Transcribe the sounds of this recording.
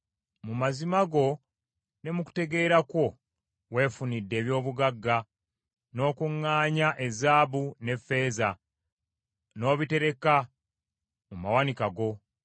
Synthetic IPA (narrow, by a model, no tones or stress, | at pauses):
mumazimaɡo̞ | ne̞muku̥te̞ɡe̞ːɾakwo̞ | we̞ːfunidːe̞ːβjo̞ːβuɡaɡːa | no̞ːkuŋːaːɲaʔe̞zaːβune̞fːe̞ːza | no̞ːβite̞ɾe̞ka | mumawanikaɡo̞